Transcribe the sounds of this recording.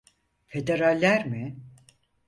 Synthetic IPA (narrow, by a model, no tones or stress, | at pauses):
fe̞d̪e̞ɾalʲːæɾmɪ